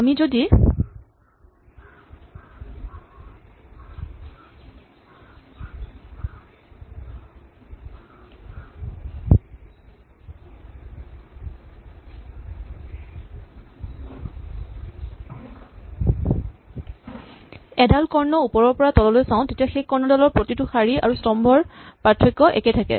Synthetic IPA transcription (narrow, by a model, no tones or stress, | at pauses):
amizodi | ɛdalkɔɹnɔupɔɹɔɹpɔɹatɔlɔlojsaʊ̃tetiaxekːɔɹnɔdɔlɔɹpɹotituxaɹia̰ɹustɔmbʱɔɹpatʰːɹɔkːɔʔɛ̰ketʰakɛ̰